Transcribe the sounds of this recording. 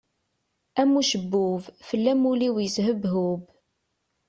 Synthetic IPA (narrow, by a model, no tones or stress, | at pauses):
æmuʃəbːʊvfəlːæmuliwjəzɦəbɦub